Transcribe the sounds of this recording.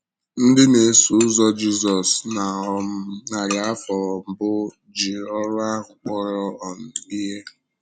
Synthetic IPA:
n̩˦dɪ˦ne˨su˨˦ʊ˦zɔ˦d͡ʒi˦zɔ˨sna˨˦na˨ɾja˦fɔ˨ɔ˨m̩˨bʊ˦ | d͡ʒi˨ɔ˦ɾʊ˦a˦ʊ˨k͡pɔ˦ɾɔ˦ɔ˨n̩˨i˦ɦe˦

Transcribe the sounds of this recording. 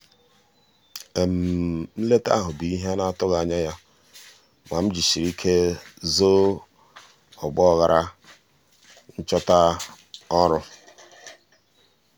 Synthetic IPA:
e˨m̩˨m̩˦le˦ta̰˦ɦʊ˨bi˨i˦ɦa˦na˦˨tʊ˦ɣa˨a˨ɲa˦ja˦ | ma˨m̩˦d͡ʒi˨ʃi˨ɾi˦kʰe˦zo˦ | ɔ˨ɡ͡bɔ˦˨ɣa˨ɾa˦ | n̩˦t͡ʃɔ˦ta˦ | ɔ˦ɾʊ˦

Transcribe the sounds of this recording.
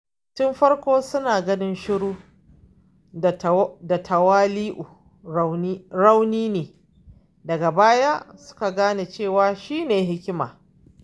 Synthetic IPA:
tʊ˦mɸɐ˦rkʷoː˦sʊ˦naː˨ɡɐ˦nɪ˦nʃɪ˦ɽuː˦˨ | da˨tʰɐ˨waː˦liː˦ʔu˨˦ | ɾa˦wniː˦neː˨ | dɐ˨ɡa˨baː˦ja˦sʊ̥˦ka˨ɡaː˦neː˨t͡ʃeː˦˨waː˨ʃiː˦neː˨ɦɪ˦kʲɪ˦ma̰ː˨

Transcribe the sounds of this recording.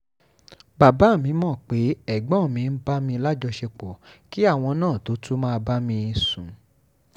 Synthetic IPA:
ba˨ba˨˦˨mĩ˧mɔ̃˦˨k͡pe˨˦ɛ˦˨ɡ͡bɔ̃˨˦˨mĩ˧n̩˦ba˦mĩ˧la˦d͡ʒɔ˧ʃe˧k͡pɔ˨ki˦a˦˨w̃ɔ̃˧nãː˦˨to˨˦tʰu˦mãː˦˧ba˦mĩ˧i˧sũ˨

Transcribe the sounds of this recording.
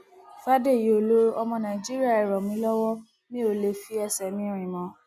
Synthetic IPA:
fa˦de˦˨je˨o˨lo˦ɔ˧mɔ̃˧nã˨d͡ʒi˦ɾi˦a˦˨ɛ˨ɾɔ˨mĩ˨˦lɔ˦wɔ˦ | nĩ˦o˦˨le˧fi˦ɛ˧˨sɛ˨mĩ˧˦˨ɾ̃ĩ˨mɔ̃˨˦

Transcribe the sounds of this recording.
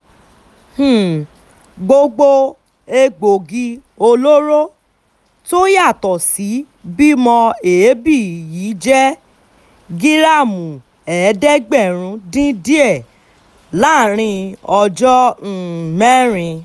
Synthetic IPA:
h̩˨ | ɡ͡bo˧ɡ͡bo˧ | e˧ɡ͡bo˨ɡi˧ | o˧lo˦ɾo˦ | to˦ja˦˨tɔ˨si˨˦ | bi˦mɔ̃˧e˨˦bi˦˨jiː˨˦d͡ʒɛ˦ | ɡi˦ɾa˦˨mũ˨ | ɛ˨˦dɛ˦ɡ͡bɛ˦˨ɾ̃ũ˧˦dĩ˦di˦ɛ˦˨ | la˦˨ɾ̃ĩ˧ɔ˧d͡ʒɔ˦n̩˦˨mɛ˦ɾ̃ĩ˧

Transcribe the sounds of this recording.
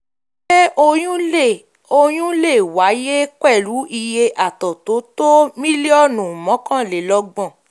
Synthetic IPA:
ʃe˦ʔo˧j̃ũ˦e˦˨ | o˧j̃ũ˦le˦˨wa˨˦je˦k͡pɛ˦˨lu˨˦ʔi˧je˧ʔa˨tɔ˨to˨˦to˦mĩ˦li˦ɔ˦˨nũ˨mɔ̃˨˦kã˦˨le˨lɔ˧ɡ͡bɔ̃˦˨

